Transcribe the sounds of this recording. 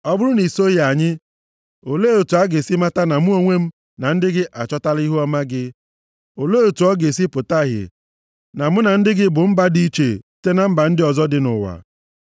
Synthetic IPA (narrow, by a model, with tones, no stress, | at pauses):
ɔ˦bʊ˦ɾʊ˦ni˨so˦a˨ɲɪ˦ | o˨leː˦o˨tu˨a˦ɡe˨si˦ma˦ta˦na˨mʊ˦o˦ŋʷe˦m̩˦ | na˨n̩˦dɪ˦ɡɪ˦ʔa˨t͡ʃɔ˦ta˦li˦ɦu˦ɔ˦ma˦ɡɪ˦ | o˨le˦o˨tu˨ɔ˦ɡe˨s̬i˦pʊ˨ta˦˨ɦɪ̰˨ | na˨mʊ˦na˨n̩˦dɪ˦ɡɪ˦bʊ˨m̩˦ba˦di˦t͡ʃe˨te˦na˦m̩˦ba˨n̩˦dɪ˦ɔ˨zɔ˦dɪ˦nʊ̰˨wa̰˨